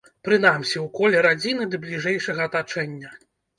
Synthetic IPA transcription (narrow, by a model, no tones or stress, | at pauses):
pɾɨn̪amsʲiwkɔlʲɛɾad͡zʲinɨd̪ɐblʲiʐɛjʂɐɣɐːt̪at͡ʂɛnʲːɐ